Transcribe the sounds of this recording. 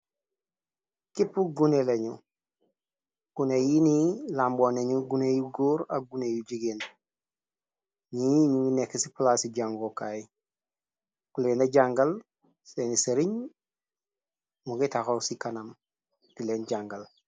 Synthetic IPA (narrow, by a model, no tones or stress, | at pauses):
kipːuɡuneleɲu | kunejinilaːmboneɲuɡunejuɡoːɾa̰ɡunejuɟiɡen | ɲiɲuŋunekːisiplaːsiɟaŋɡokaji | kuleːnaɟaŋɡal | seniseɾiɲ | mukitaxowsikanam | tileːnɟaŋɡal